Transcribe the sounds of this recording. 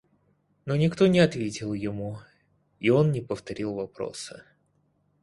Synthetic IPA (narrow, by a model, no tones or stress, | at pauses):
no̞nʲɪkt̪o̞nʲɪɐt̪vʲetʲɪlˠjɪmu | io̞nnʲɪpəft̪ɐɾʲilˠvɐpɾo̰sɨ̰